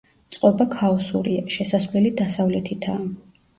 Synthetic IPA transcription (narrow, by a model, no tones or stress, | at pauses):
t̪sʼqʼɔbakʰaɔsṵɾiaʃɛsasvlɛlid̪asavlɛt̪ʰit̪ʰaː